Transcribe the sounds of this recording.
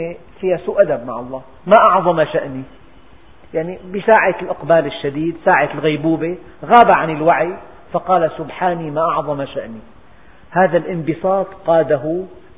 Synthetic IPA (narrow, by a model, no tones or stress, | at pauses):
fiːhasuːʔad̪ab̚maʕɑlˤːɑː | maʔɑʕðˤɑmaʃaʔni | jaʕnibɪsaːʕaɪlʔɑqbaːlɪʃːad̪iːd̪saːʕat̪lɣajbuːbe | ɣaːbaʕanɪlwaʕi | fɑqɑːlasʊbħaːnimaʔɑʕðˤɑmaʃaʔni | haːðalʔɪmbɨsˤɑːt̪qɑːd̪aɦʊ